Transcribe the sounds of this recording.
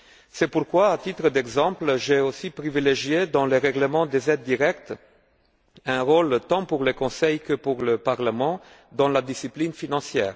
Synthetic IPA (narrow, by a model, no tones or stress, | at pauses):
sɛpuʁkwaːt̪it̪ʁəd̪ɛɡzɑ̃plʒɛosipʁivileʒjed̪ɑ̃leʁɛɡləmɑ̃d̪ezɛd̪ːiʁɛkt̪ | ɛ̃ʁolt̪ɑ̃puʁlekɔ̃sɛjkəpuʁləpaʁləmɑ̃ | d̪ɑ̃lad̪isiplinfinɑ̃sjɛ̰ːʁ